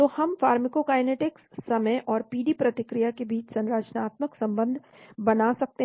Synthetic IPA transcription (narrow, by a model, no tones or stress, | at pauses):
t̪ohɐmfaːɾmɪkokaːjneːʈɪkssɐməjʔɔːɾpiːɖiːpɾɐt̪ɪkɾɪjakebiːt͡ʃsɐ̃nɾaːd͡ʒnaːt̪məksɐ̃mbə̃nd̪ʱ | bɐnasɐk̚t̪e